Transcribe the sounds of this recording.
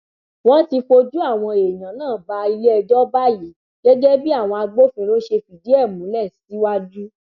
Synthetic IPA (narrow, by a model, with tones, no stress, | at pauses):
w̃ɔ̃˦ti˧fo˧d͡ʒu˦a˦˨w̃ɔ̃˧e˨jã˨nãː˦˨ba˧i˧le˦ɛ˧d͡ʒɔ˦ba˦ji˨˦ | ɡ̥ɛ˦d͡ʒɛ˦bi˦a˦˨w̃ɔ̃˧a˧ɡ͡bo˦fĩ˧˦ɾo˦ʃe˧fi˨di˨˦ɛ˦˨mũ˨˦lɛ˦˨si˨˦wa˦d͡ʒu˦